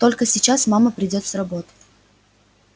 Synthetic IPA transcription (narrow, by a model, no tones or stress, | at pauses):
t̪o̞lʲkəsʲɪt͡ɕasmaməpɾʲɪdʲo̞t̪srɐbo̞t̪ə̥